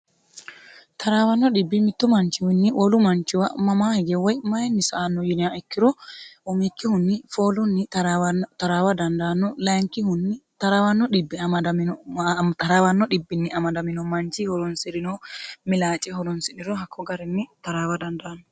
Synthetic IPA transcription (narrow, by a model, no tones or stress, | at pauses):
t̪ʰɐɾaːwɐnːɔɗɪbːɪmɪt̪ːʊmɐnt͡ʃːɪwɪnːɪʔɔlʊmɐnt͡ʃɪwɐ̰mɐmaːhɪɡɛwɔjmɐjɛnːɪsɐːnːɔjɪnɪaɛkːɪɾɔɔmikːɪhʊnːɪfoːlʊnːɪ | t̪ɐɾaːwɐd̪ɐnd̪aːnːɔlɐŋkːɪhʊnːɪt̪ɐɾawɐnːɔɗɪbːɪɐmɐd̪ɐmnt̪ɐɾaːwɐnːɔɗɪbːɪnːɪʔɐmɐd̪ɐmɪnɔmɐnt͡ʃɪhɔɾɔnsɪɾɪnɔmɪlaːt͡ʃʼɛɦɔɾɔnsɪnɪɾɔɦɐkʰːɔɡɐɾɪnːɪt̪ɐɾaːwɐd̪ɐnd̪aːnːɔ